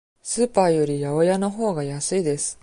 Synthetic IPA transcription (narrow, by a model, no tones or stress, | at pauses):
sɨːpaːjo̞ɾʲijao̞jano̞ɦo̞ːɡajasɨid̪e̞sɨ̥